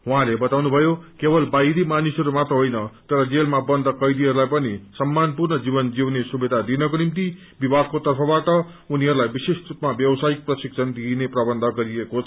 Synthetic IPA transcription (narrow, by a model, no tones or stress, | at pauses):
ɦw̃ãlebʌt̪awnubʱʌjokebʌlbajd̪imanisʌɾumat̪rʌɦojnʌt̪ʌɾʌd͡zelmabʌnd̪ʱʌkʌjd̪iɦʌɾulajpʌnisʌmːanpurnʌd͡zibʌnd͡ziwnesubed̪ʱad̪inʌkonimt̪i | bibʱaɡ̚kot̪ʌrpʰʌbaʈʌ | uniɦʌɾulajbisesrupmabjʌbsajik̚prʌsiksʰʌnd̪ineprʌbʌnd̪ʱʌɡʌɾiekot͡sʰʌ